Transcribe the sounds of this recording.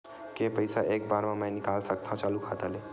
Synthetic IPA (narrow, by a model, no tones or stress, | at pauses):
kepəjsaek̚baɾmãmajnikalsək̚t̪ʰãt͡ʃalukʰat̪əle